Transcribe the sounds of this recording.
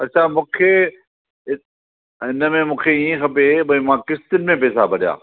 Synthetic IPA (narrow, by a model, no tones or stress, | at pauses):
ɐʃʰamʊ̃ːkʰeː | ɪ | ɪnəmẽmʊ̃ːkʰeiĩxɐpebɐimãːkɪst̪ɪnmẽpɛːsabɐɗja̰ː